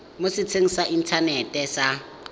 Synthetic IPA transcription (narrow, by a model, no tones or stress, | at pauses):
mʊsɪt͡sʰeŋ̩saʔin̩tʰanɛtʼɛsa